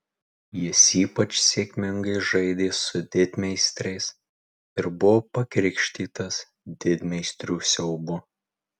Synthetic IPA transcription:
jɪsiːpɐt͡ʃsʲeːkʲmʲɪŋɡɐɪʒɐɪd̪ʲeːsʊd̪ʲɪd̪ʲmʲɛɪsʲt̪ʲɾʲɛɪs | ɪɾbʊʋoːpɐkɾʲɪkʃʲt̪ʲiːt̪ɐs | d̪ʲɪd̪ʲmʲɛɪsʲt̪ʲɾʲuːsʲɛʊbʊ

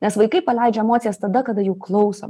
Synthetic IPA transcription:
nʲɛsʋɐɪkɐɪpɐlʲɛɪd͡ʒʲɛmoːt̪sʲjɛst̪ɐd̪ɐkɐd̪ɐjuʊklˠɐʊso̰

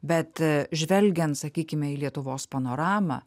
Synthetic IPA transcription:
bʲɛt̪ʒʲʋʲɛlʲɡʲɛnt̪sɐkʲiːkʲɪmʲɛiːlʲiɛt̪ʊʋoːspɐnoːɾɑːmɑ̰ː

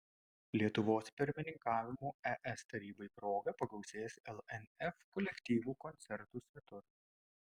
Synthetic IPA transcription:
lʲiɛt̪ʊʋoːspʲɪɾʲmʲɪnʲɪŋkɑːʋʲɪmuːɛʔɛst̪ɐɾʲiːbɐɪpɾoːɡɐpɐklˠɔʊsʲeːsɛlˠɛnʲɛfkɔlʲɛkʲt̪ʲiːʋuːkɔnʲt̪sʲɛɾt̪uːsʲʋʲɛt̪ʊɾ

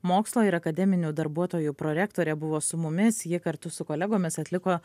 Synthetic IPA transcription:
moːkslˠoːɪɾɐkɐd̪ʲɛmʲɪnʲuːd̪ɐɾbuɔt̪oːjuːpɾoːɾʲæːkt̪oːɾʲɛbʊʋoːsʊmʊmʲɪsjɪkɐɾt̪ʊsʊkoːlʲɛɡoːmʲɪsɐt̪ʲlʲɪkoː

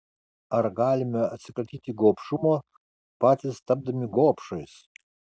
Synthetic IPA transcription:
ɐɾɡɑːlʲɪmʲɛɐt̪ʲsʲɪkɾɐt̪ʲiːt̪ʲɪɡoːpʃumoː | pɑːt̪ʲɪst̪ɐb̚d̪ɐmʲɪɡoːpʃɐjs

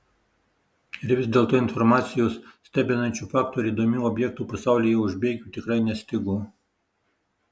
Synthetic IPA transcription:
ɪɾʋʲɪzʲd̪ʲeːlˠt̪oːɪnfɔɾmɑːt̪sʲɪjoːssʲt̪ʲæːbʲɛnɐnʲt͡ʃʲuːfɑːk̚t̪oɾʲiːd̪oːmʲuːɔbʲjɛk̚t̪uːpɐsɑˑʊlʲiːjɛʊʒʲbʲeːɡʲuːt̪ʲɪkɾɐɪnʲɛsʲt̪ʲɪɡoː

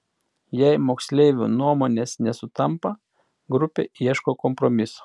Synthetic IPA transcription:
jɛɪmoːksʲlʲeːʋʲṵnuɔmoːnʲeːsnʲɛsʊt̪ɐmpɐ | ɡɾʊpʲḛːiɛʃkoːkɔmpɾɔmʲɪsʊ̥

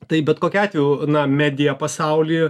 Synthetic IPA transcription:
t̪ɐɪbʲɛt̪koːkʲɛɑːt̪ʲʋʲuːnɐmʲæːd̪ʲɪjɛpɐsɐʊlʲiː

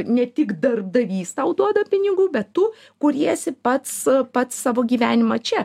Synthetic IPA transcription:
nʲɛt̪ʲɪkd̪ɐrb̚d̪ɐʋʲiːst̪ɐʊd̪uɔd̪ɐpʲɪnʲɪɡuːbʲɛt̪tu | kʊɾʲiɛsʲɪpɐt̪spɐt̪ssɑːʋoːɡʲiːʋʲæːnʲɪmɐt͡ʃʲɛ

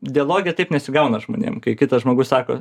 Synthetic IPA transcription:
d̪ʲɪɐlˠoːɡʲɪjɛt̪ɐɪpnʲɛsʲɪɡɐʊnɐʒmo̰ːnʲḛːmkɐɪkʲɪt̪ɐʒmoːɡʊssɑːko̰

